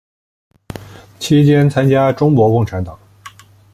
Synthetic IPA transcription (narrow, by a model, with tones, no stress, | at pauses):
t͡ɕʰi˥t͡ɕjɛ˥nt͡sʰa˥nt͡ɕja˥ʈ͡ʂʊ˥ŋkwɔ˧˥kʊ˥˩ŋʈ͡ʂʰa˧˥nt̪ɑ˨˩˦ŋ